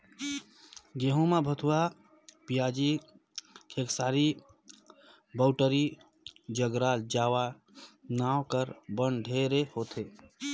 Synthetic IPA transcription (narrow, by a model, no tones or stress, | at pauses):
ɡeɦũmabʱət̪ʰuwa | pijad͡ʒi | kʰeksaːɾi | bəwʈəɾi | d͡ʒəɡɾald͡ʒawa | nawkəɾbənɖʱeɾehot̪ʰe